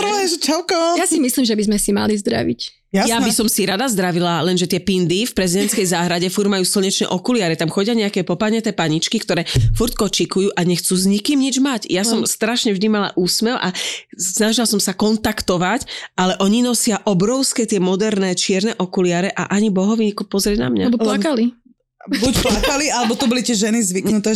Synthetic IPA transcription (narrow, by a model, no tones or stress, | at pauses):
ɛt͡ʃɛlkɔjasimislimʒɛbizmɛsima̰lizd̪ɾa̰ʋḭc | ajabisɔmsiɾad̪azd̪ɾaʋilalɛnʒɛt̪ɪɛpind̪ifpɾɛzid̪ɛnt͡skɛjzaːɦɾaɟɛfuɾɟmajuːsil̩ˠɲɛt͡ʃnɛ̰ʔɔkulɪaːɾɛt̪amxɔɟɪaɲɛakɛːpɔpaɲɛt̪ɛːpaɲit͡ʃkikt̪ɔɾɛːfuɾt̪kɔt͡ʃikujuːʔaɲɛxt͡suːzɲikimɲid͡ʒmacjassɔmst̪ɾaʃɲɛvʒd̪imala̰ʔuːsmɛwʔasnaʒilasɔmsakɔnt̪akt̪ɔʋacʔalɛʔɔɲinɔsɪaʔɔbɾɔʊskɛt̪ɪɛmɔd̪ɛɾnɛːt͡ʃɪɛɾnɛʔɔkulɪaɾɛʔa̰ʔaɲibɔɦɔʋiɲikɔpɔzɾʲɪɛɟna̰mɲabɔlakali | bucplakalialɛbɔt̪ubɔlit̪ɪɛʒɛnizʋiknut̪ɛ